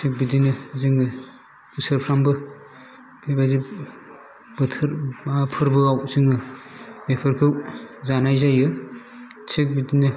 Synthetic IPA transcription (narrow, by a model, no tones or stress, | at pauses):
sʰik̚bidinɯzɯŋɯ | bɯsɯɾpʰɾambɯ | bebazi | bɯtʰɯɾmapʰɯɾbɯawzɯŋɯbepʰɯɾkʰɯwzanajzajɯ | sʰek̚bidinɯ